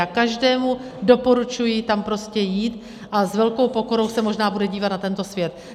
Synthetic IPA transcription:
akaʒdɛːmudo̞po̞ɾut͡ʃujɪt̪ampɾo̞scɛjiːt̪ | ʔazvɛlko̞wpo̞ko̞ɾo̞wsɛmo̞ʒnaːbudɛɟiːvat̪̚nat̪ɛnt̪o̞svjɛt̪

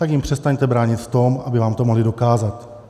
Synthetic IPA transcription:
t̪akjɪmpr̝̥ɛst̪aɲt̪ɛbɾaːɲɪt̪ft̪o̞mʔabɪvaːmt̪omoɦlɪdo̞kaːzat̪

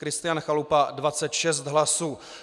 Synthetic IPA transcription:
kɾɪst̪ɪjanxalupadvat͡sɛt̪ʃɛs̬t̪ɦlasuː

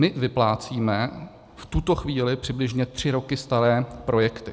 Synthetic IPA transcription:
ɪvɪplaːt͡siːmɛ | ft̪ut̪o̞xviːlɪpr̝̥ɪblɪʒɲɛt̪r̝̥ɪɾo̞kɪst̪aɾɛːpɾo̞jɛkt̪ɪ

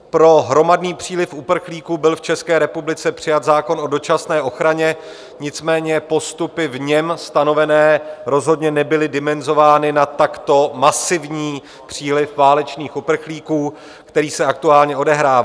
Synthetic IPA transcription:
pɾo̞ɦɾo̞madniːpr̝̥iːlɪfʔupr̩xliːkuːbɪlft͡ʃɛskɛːɾɛpublɪt͡sɛpr̝̥ɪjat̪zaːko̞nʔo̞do̞t͡ʃasnɛːʔo̞xɾaɲɛ | ɲɪt͡smɛːɲɛpo̞st̪upɪvɲɛmst̪ano̞vɛnɛːɾo̞zɦo̞dɲɛnɛbɪlɪdɪmɛnzo̞vaːnɪnat̪akt̪o̞masɪvɲiː | pr̝̥iːlɪfvaːlɛt͡ʃniːxʔupr̩xliːkuː | kt̪ɛɾiːsɛak̚t̪uaːlɲɛo̞dɛɦɾaːva

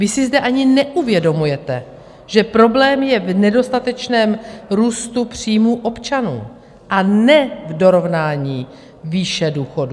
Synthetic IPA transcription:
vɪsɪzdɛʔaɲɪnɛʔuvjɛdo̞mujɛt̪ɛ | ʒ̥ɛpɾo̞blɛːmjɛvnɛdo̞st̪at̪ɛt͡ʃnɛːmɾuːst̪upr̝̥iːmuːʔo̞pt͡ʃanṵː | ʔanɛvdo̞ɾo̞vnaːɲiː | viːʃɛduːxo̞du

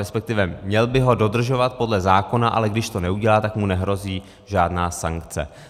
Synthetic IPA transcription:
ɾɛspɛk̚t̪ɪvɛmɲɛlbɪɦo̞do̞dr̩ʒo̞vat̪̚po̞dlɛzaːko̞naʔa̰lɛɡdɪʃt̪o̞nɛuɟɛlaːt̪akmunɛɦɾo̞ziː | ʒaːdnaːsa̰ŋkt͡sɛ̰

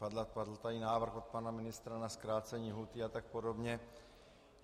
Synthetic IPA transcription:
pad̪lapad̪l̩t̪ainaːvr̩xo̞t̪̚panamɪnɪst̪ɾanaskɾaːt͡sɛɲiːɦut̪ɪat̪ak̚podobɲɛ

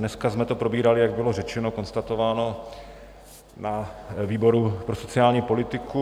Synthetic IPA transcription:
nɛskazmɛt̪o̞pɾo̞biːɾalɪjaɡ̚bɪlo̞rɛt͡ʃɛno̞ko̞nst̪at̪o̞vaːno̞ | naviːbo̞ɾupɾoso̞t͡sɪaːlɲiːpo̞lɪt̪ɪku

